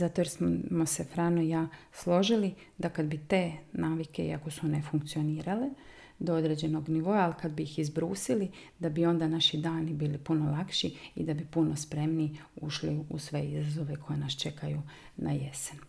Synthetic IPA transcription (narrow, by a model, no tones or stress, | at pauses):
zat̪o̞jeɾsmose̞fɾaːnoijaː | slˠo̞ʒili | d̪akad̪bit̪e̞ːnaːʋike̞ḭako̞sune̞fuŋk̚t̪sio̞niːɾale̞ | d̪oo̞d̪ɾe̞d͡ʑe̞no̞ɡniʋo̞aːlikad̪bijixizbɾuːsili | d̪abio̞nd̪anaʃid̪aːnibiːlipuno̞lˠakʃiḭd̪abipuno̞spɾe̞mniuʃliusʋe̞izazo̞ʋe̞kʰo̞je̞nast͡ʃe̞kaju | naje̞sen